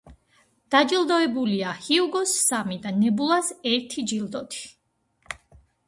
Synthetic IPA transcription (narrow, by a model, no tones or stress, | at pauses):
d̪̥ad͡ʒilˠd̪ɔɛbuliahiuɡɔsːamid̪anɛbulˠasɛɾt̪ʰid͡ʒilˠd̪ɔt̪ʰi̥